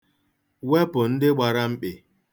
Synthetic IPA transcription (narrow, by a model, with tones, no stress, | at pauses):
wɛ˦bʊ˨n̩˦dɪ˦ɡ͡ba˨ɾa˦m̩˦k͡pɪ˨